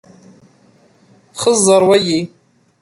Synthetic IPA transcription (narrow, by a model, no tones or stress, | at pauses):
χəzːaɾwaji